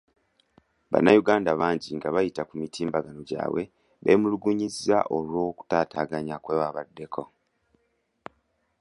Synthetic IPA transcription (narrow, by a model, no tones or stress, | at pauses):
βa̰nːajuɡaːndaβaːɲɟiŋɡaβajitakumitʰiːmbaɡano̞ɟa̰ːwe̞̰ | βe̞̰ːmuluɡuɲiza̰ʔo̞lwo̞ːku̥taːtaːɡaɲakwe̞ːwaβadːe̞kʰo̞